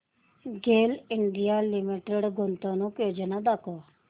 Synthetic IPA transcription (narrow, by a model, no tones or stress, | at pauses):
ɡeːlɪɳɖijaːlɪmiːʈeɽɡʊnt̪õːnũːkjoːd͡ʒənaːd̪aːkoː